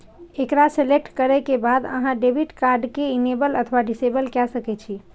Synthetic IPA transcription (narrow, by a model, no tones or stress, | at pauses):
ekɾaselek̚ʈkəɾɛkebad̪ə̰ɦãɖebʱiʈkaɾɖkeinebələt̪ʰwaɖisebəlkɛsəkɛt͡ʃʰi